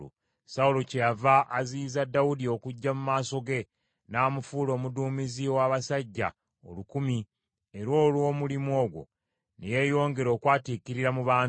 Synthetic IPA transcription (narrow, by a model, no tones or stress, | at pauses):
o̰ | saulocejavaʔːziːzadːawudio̞kuɟːamumaːso̞ɡe̞ | naːmufuːlo̞ːmuduːmiziwaβasaɟːa̰ | o̰lukumi | eɾo̞ːlwo̞ːmulimo̞ːɡwo̞̰ | neje̞jo̞ːŋɡe̞ɾo̞ːkwaːtikiɾiɾamuβaː